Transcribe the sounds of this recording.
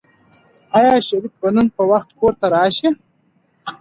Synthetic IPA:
ɑjɑːʃaɾik̚bənunpəwaxt̪koɾt̪aɾɑːʃi

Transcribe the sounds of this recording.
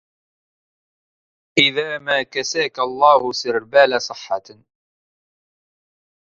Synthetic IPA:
ʔɪðaːmaːkasaːkalˤːɑːhʊsɪɾbaːlasˤɨħːɑ

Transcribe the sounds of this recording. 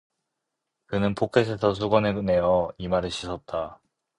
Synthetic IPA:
kɯnɯnpʰokʰes̬ʰe̞sʰʌs̬ʰuɡʌneɡne̞jʌimaɾeɕʰisʰʌt̚t͈a

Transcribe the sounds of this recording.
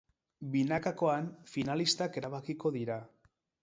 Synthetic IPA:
binakako̞anfinalist̪ake̞ɾaβ̞akiko̞ðiɾa

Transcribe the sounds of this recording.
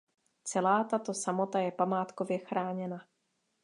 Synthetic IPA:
t͡sɛlaːt̪at̪o̞samo̞t̪ajɛpamaːt̪ko̞vjɛxɾʔaːɲɛna

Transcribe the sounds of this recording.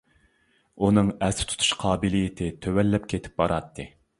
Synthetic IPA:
unɨŋɛsɪ̥t̪ʰu̥t̪ʰu̥ʃqʰɑːbɨlijɪt̪ʰɪt̪ʰøwɛlːɛpkʲʰet̪ʰɪ̥p̚bɑɾɑt̪ʰːɨ

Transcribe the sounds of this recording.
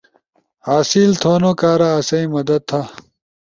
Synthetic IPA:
aːsiːlt̪ʰoːnoːkaːɾaɐsɐĩmɐd̪ɐd̪̚t̪ʰːa

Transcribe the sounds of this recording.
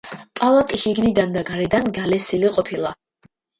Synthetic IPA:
pʼalˠat̪ʼiʃiɡnid̪and̪aɡaɾɛd̪anɡalɛsiliqʼɔpʰilˠa

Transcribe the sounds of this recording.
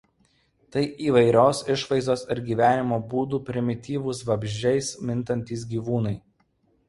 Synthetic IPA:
t̪ɐɪʔiːʋɐɪɾʲoːsɪʃʋɐɪzd̪oːsɪɾɡʲiːʋʲæːnʲɪmoːbuːd̪uːpʲɾʲɪmʲɪt̪ʲiːʋʊsʋɐbʲʒʲd͡ʒʲɛɪsmʲɪnt̪ɐnʲt̪ʲiːs̬ɡʲiːʋuːnɐɪ

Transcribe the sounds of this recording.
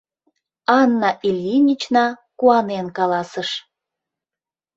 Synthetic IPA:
ɑnːɑʔilʲjinʲit͡ɕnɑkuɑnenkɑlɑsəʃ

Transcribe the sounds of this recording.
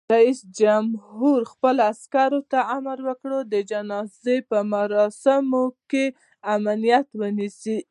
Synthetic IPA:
ɾaisd͡ʒamhuɾxpəlaskaɾot̪aamaɾwəkɽod̪əd͡ʒanɑzepəmaɾɑsɪmoke | amalijat̪wənisi

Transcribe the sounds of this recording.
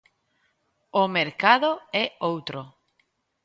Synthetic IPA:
omeɾkaðoɛowt̪ɾo

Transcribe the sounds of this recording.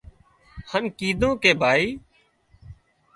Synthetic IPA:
hənkiːd̪ʱõːkeːbʱaːiː

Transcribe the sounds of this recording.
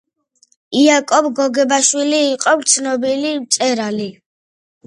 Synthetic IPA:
iakʼɔbɡɔɡɛbaʃwiliːqʼɔbt̪sʰnɔbilit̪sʼɛɾali

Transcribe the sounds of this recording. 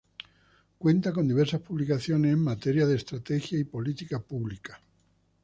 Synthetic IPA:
kwent̪akond̪iβeɾsaspuβlikaθjonesemːat̪eɾjaðest̪ɾat̪exjaipolit̪ikapuβlikḁ

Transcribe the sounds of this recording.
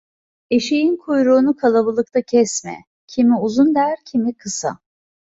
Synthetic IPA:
e̞ʃijinkʰujɾuːnukʰalˠabɯlˠɯk̚t̪ʰacʰɛsmɛ̰ | cʰimiuzund̪æɾcʰimikʰɯsa̰

